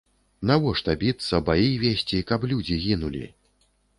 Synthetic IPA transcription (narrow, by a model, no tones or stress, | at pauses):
navɔʂt̪abʲit̪sːɐbajivʲesʲt͡sʲikɐplʲud͡zʲiɣʲinulʲḭ